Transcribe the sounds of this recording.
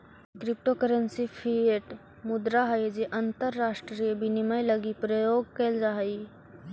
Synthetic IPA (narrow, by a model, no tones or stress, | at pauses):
kɾɪp̚ʈokəɾənsipʰieʈ | mʊd̪ɾaɦɐed͡ʒeʔɐ̃nt̪əɾːaːʃʈɾijəbiniməjlɐɡipɾəjoːɡ̚keld͡ʒaɦɐi